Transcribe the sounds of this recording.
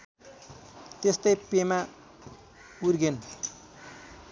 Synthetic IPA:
t̪est̪ʌjpema | uɾɡen

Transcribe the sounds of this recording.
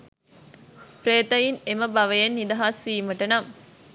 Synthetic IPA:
pɾeːt̪ɐjineməbɐʋəjenːid̪ɐɦasiːməʈənɐm

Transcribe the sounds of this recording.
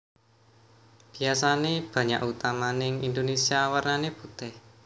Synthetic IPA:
b̥i̤asaneb̥ä̤ɲa̰ʔut̪amanɪŋind̪onesiawərnanebut̪ɪh

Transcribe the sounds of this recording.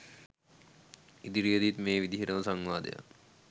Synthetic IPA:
id̪iɾijəd̪it̪meːʋid̪iɦiɾəməsaŋʋaːd̪ə̰ja̰

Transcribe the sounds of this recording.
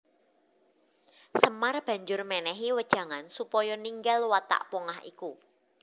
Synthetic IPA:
səmarb̥ä̤ɲd͡ʒʊrmɛnɛɦiwəd̥ʒ̥ä̤ŋansupɔjɔniŋɡalwat̪a̰ʔpɔŋahḭku

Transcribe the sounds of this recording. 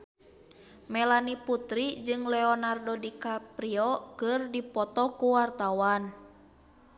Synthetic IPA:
mɛlaniput̪ɾid͡ʒɨŋlɛɔnardɔdikapɾiɔkɨrdipɔt̪ɔkuwart̪awan

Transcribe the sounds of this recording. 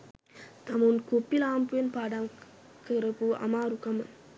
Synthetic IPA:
t̪ɐmunkupːilaːmpujɐnpaːɽam | kɯɾɐpuɐ̰maːɾukɐmɐn

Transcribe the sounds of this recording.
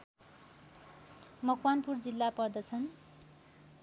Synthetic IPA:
mʌkwanpurd͡zilːapʌrd̪ʌt͡sʰʌn

